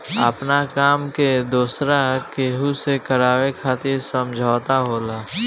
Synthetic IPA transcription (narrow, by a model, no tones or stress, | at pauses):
ə̰pnakaːmked̪uːsɾakeːɦusekəɾaːwekʰaːt̪ɪɾsəmd͡ʒʱaːt̪aɦoːlaː